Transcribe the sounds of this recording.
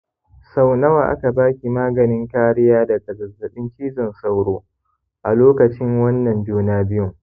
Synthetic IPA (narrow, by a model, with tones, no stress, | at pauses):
sa˦wnɐ˦wa̰ː˨ʔa̰˦ka˨baː˦kʲi˨maː˦ɡɐ˨nɪ˦ŋkaː˦ɽɪ˦jaː˦da˨sʼɐ˨ɡɐ˨zɐ˨ɓɪ˦ŋkʲiː˦zɐ˨nsa˦wɽoː˦ | ʔa˨loː˦kɐ˨t͡ʃɪ˦ŋwɐ˦nːɐ˨mbi˦naː˦bɪ˦jʊ˨ŋ